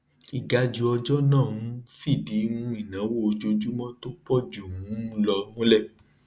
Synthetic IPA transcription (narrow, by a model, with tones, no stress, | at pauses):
i˨ɡa˧d͡ʒu˧ɔ˧d͡ʒɔ˦nã˦˨wũ˨˦fi˦˨di˨˦nũ˧˦i˦˨nã˨˦wo˦o˧d͡ʒo˧d͡ʒu˦mɔ̃˦to˦k͡pɔ˦˨d͡ʒu˨ũ˨˦lɔ˧nũ˦lɛ˦˨